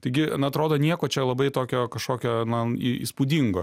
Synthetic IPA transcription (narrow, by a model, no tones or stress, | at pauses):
t̪ɐɪɡʲɪnɐt̪ɾoːd̪oːnʲiɛkoːt͡ʃʲɛlˠɐbɐɪt̪oːkʲoːkɐʃkoːkʲoːnɐiḭspud̪ʲiŋɡo̰ː